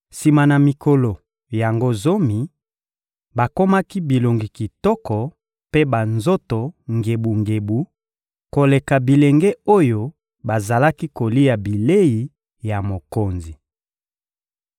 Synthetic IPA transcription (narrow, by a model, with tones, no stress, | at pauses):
si˨ma˨na˨mi˨ko˨lo˨ | ja˨ŋɡo˦zo˦mi˨ | ba˨ko˦ma˦ki˦bi˨lo˨ŋɡi˨ki˨tɔ˦kɔ˨ | pe˦ba˨nzo˦to˨ŋɡe˨bu˨ŋɡe˨bu˨ | ko˨le˨ka˨bi˨le˨ŋɡɛ˦o˦jo˦ | ba˨za˨la˦ki˦ko˨li˦a˨bi˨le˦ji˨˦ | ja˨mo˨ko˨nzi˨